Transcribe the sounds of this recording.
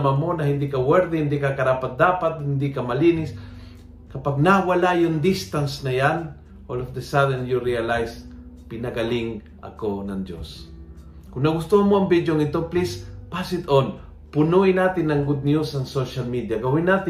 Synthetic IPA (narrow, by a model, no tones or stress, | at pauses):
mamonahɪnd̪ikɐwɛɾd̪ɛhɪnd̪ikakɐɾapat̪̚d̪aːpat̪̚hɪnd̪ikamɐlinɪs | kɐpaɡ̚nawalajʊnd̪ist̪ansnɐjan | ʔolofd̪ɛsad̪ɛnjuɾialajspɪnɐɡaliŋ | ʔɐ̰konɐŋd̪jo̰s | kʊnnɐɡʊst̪ohamoɐŋbid̪joŋɪt̪oplispasɪt̪on | pʊnuʔinat̪ɪnːɐŋɡʊd̪̚njusɐŋsoʃalmid̪jaɡɐwinat̪ɪ